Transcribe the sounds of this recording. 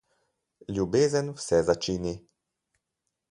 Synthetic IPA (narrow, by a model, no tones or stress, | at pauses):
ljubeːzənwsɛzat͡ʃiːni